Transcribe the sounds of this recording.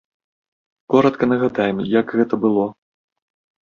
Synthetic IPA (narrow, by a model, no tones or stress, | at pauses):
kɔɾɐt̪kɐnɐɣad̪ajɛmjɐɡɣɛt̪ɐbɨlˠɔ